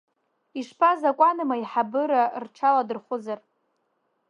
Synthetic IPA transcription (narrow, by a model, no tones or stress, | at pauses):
iʂpʰazakʷʼanɨmaiħabɨɾarʈ͡ʂʰaladɨrχʷʊzar